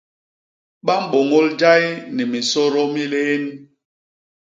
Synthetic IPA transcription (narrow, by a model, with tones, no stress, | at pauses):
ɓa˦m̩˦˨ɓo˨ŋo˦ld͡ʒa˦jni˨mi˨sɔ˦ɾɔ˦mi˦leː˦n˦